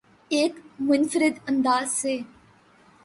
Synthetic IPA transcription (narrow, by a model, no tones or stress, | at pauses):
eːkmʊnfɾɪd̪ə̃nd̪aːzseː